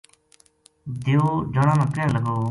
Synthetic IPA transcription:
d̪eoːd͡ʒaːɽãːnãːkẽːləɡoː

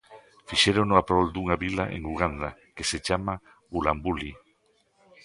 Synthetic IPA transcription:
fiʃeɾonoapɾold̪uŋaβilaʔḛŋuɣ̞and̪akeset͡ʃama | ulambuli

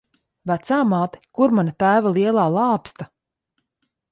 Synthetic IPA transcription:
væt̪saːmaːt̪ɛ̥kuɾmanat̪æːvalˠiɛlˠaːlˠɑːpst̪a

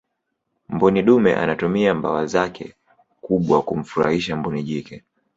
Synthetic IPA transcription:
mbɔniɗumɛ̰ʔa̰natumiamba̰wazakʰɛ̰ | kuɓwakum̩fuɾa̰hiʃambɔniʄikɛ

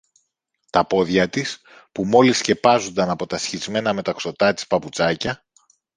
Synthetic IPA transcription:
t̪ɐpo̞ðʝɐt̪is | pumo̞lisce̞pɐzond̪ɐnɐpo̞t̪ɐsçizme̞nɐme̞t̪ɐkso̞t̪ɐt̪i̥spɐput͡sɐcɐ

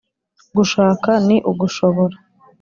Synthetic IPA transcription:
ɡuʃaːkaniʔuɡuʃo̞βoɾa

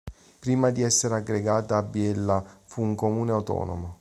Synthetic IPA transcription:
pɾiːmad̪iɛsːeɾeaɡːɾeɡaːt̪aːbːjɛlːafuːŋkomuːneawt̪ɔ̰ːno̰mo

